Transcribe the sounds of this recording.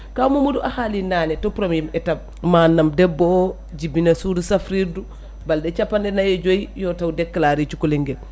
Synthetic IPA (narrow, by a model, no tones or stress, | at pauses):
kamumuduʔahalinanetopɾomiimɛtab̚ | manːamdɛbːo | d͡ʒibinasudusafɾiɾdu | baldɛt͡ʃapːandɛnajɛd͡ʒojjotawdɛkːalaɾit͡ʃukuliŋɡe